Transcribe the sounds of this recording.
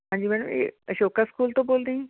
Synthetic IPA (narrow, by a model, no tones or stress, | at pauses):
ɦãːɲd͡ʒiːmɛːɽəmḛəʃoːkaskuːlt̪õːboːld̪eːɛ̃ː